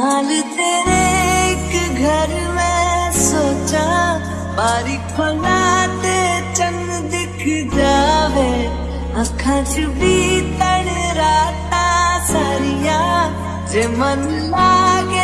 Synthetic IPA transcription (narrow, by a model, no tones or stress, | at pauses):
ɦaːlt̪eːɾekɡʱɐɾ | mẽsoːt͡ʃa | baːɾipʰɐlat̪et͡ʃə̃ŋɡ | d̪ɪkʰd͡ʒaːʋe | ɐkʰãd͡ʒbʱit̪əɽɾaːt̪asaɾija | d͡ʒeːmən | laːɡe